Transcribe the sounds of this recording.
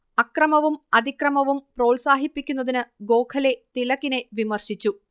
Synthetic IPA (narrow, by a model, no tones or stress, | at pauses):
ɐkrɐmɐʋumɐd̪ikrɐmɐʋumpro̞ːlsaːɦipːikʲːun̪ːɐðinɨɡo̞ːkʰɐle̞t̪ilɐɣine̞ʋimɐrɕit͡ɕːu